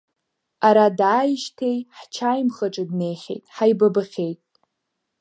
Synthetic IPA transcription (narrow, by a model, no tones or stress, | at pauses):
aɾadaːjʃtʰejħt͡ʃʰajmχaʈ͡ʂʼɨdne̞jχʲḛjtʼħajbabaχʲe̞jtʼ